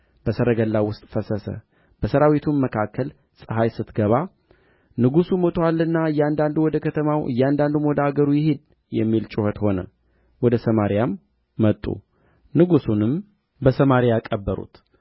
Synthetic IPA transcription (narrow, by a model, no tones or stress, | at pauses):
b̥əsəɾəɡəlːawʊst̪ʼfəsəsə̰ | b̥əsəɾawit̪ʰunməkʰakːəl | sʼɨɦajsɨt̪ɡəβa | nɨɡusumot̪ʼʰoalːɨnːaɨjːɛand̪and̪uwɔd̪əkʰət̪ʰəmawɨ̰jːɛand̪and̪umwɔd̪aɡəɾujɪhed̪ | jɛmːilt͡ʃʼuhət̪ho̞nə̰ | wɔd̪əsəmaɾijamː | ət̪ʼːṵ | nɨɡusunɨm | bəsəmaɾijakʼəbːəɾṵt̪